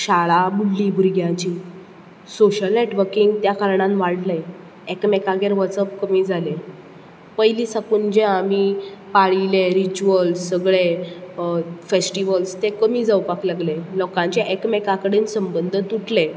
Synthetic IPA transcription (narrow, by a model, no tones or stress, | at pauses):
ɕaɭabuɽlibʱuɾɡjãt͡ɕiː | soɕəlneʈʋəɾkiŋɡt̪jakaɾɳãnʋaɽle | ekmekaɡeɾʋət͡səp̚kəmiːd͡zʱale | pəjliːsakuːnd͡ʑẽamipaɭileɾit͡ɕuəlssəɡɭe | fesʈiʋəlst̪ekəmiːd͡zawpaklaɡlelɔkãɲt͡ɕeʔekmekakəɽensəmbənd̪ʱət̪uʈʰle